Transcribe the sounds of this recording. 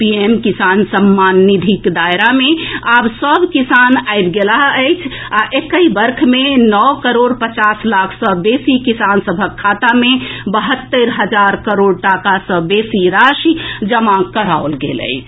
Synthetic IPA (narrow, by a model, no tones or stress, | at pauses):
piemkisansəmːanːid̪ʱikd̪ajɾameabsəbʱkisanajbɡelaɦəɪt͡ʃʰaʔekəibəɾkʰmenɔwkəɾoɽpət͡ʃaslakʰsə̃besikisansəbʱəkʰːat̪amebəɦət̪ːəɾɦəd͡ʒaɾkəɾoɖʈakasə̃besiɾaʃid͡ʒəmakəɾaolɡḛlə̰ɪt͡ʃʰ